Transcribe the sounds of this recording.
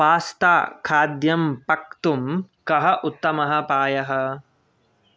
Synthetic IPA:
paːst̪a̰ːkʰaːd̪jɐmpɐk̚t̪umkɐɦɐʔut̪ːɐmɐɦɐ̆paːjɐɦɐ̆

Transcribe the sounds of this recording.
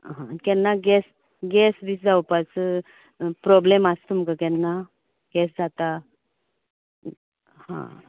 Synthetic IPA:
ɦã̰kɛnːaɡɛs | ɡɛsbit͡sd͡zawpat͡s | pɾɔblemast̪umkakɛnːa | ɡɛs̬d͡zat̪a | hã̰

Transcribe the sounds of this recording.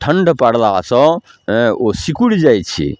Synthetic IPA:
ʈʰəɳɖpaɽlasə̃ | osikuɽd͡ʒajt̪t͡ʃʰḭ

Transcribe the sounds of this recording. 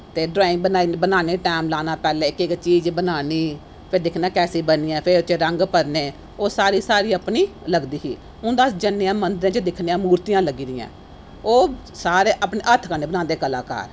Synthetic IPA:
t̪eːɖɾaːɪ̃ŋɡ̚bənaːinbənaːneːʈɛːmlaːnãːpɛːlẽːɪkɪkt͡ʃiːd͡ʒbənaːniː | pʰɪɾd̪ɪkʰnãːkɛːsiːbəniːɛːpʰɪɾt͡ʃeɾəŋɡpəɾneː | oːsaːɾiːsaːɾiːəpniːləɡd̪iːɦiː | ʊnd̪aːsd͡ʒənːeãːmənd̪əɾãːt͡ʃəd̪ɪkʰneãːmuːɾt̪ijãːləɡiːd̪ɪjã̰ː | oːsaːɾeːʔəpneːʔət̪ʰkəneːbənãːnd̪eːkəla̰ːka̰ːɾ

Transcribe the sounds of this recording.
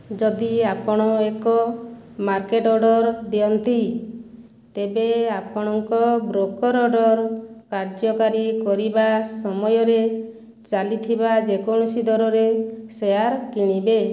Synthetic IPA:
d͡ʒɔd̪iapɔɽ̃ɔekɔ | maɾkeʈɔɖɔɾd̪ijɔnt̪i | t̪ebeapɔɽ̃ɔŋkɔbɾokɔɾɔɖɔɾkaɾd͡ʒɔkaɾikɔɾibasɔmɔjɔɾe | t͡ʃalit̪ʰibad͡ʒekɔɽ̃ɔsid̪ʱɔɾɔɾesejaɾkiɽ̃ibe

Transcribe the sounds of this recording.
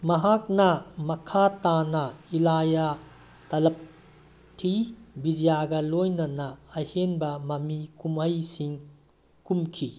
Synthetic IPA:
mɐɦak̚nɐmɐkʰatanɐilaja | tɐlɐp̚ | kʰːibid͡ʒijaɡɐlojnɐnɐːjhenbɐmɐmikumɐjsiŋ | kumkʰi

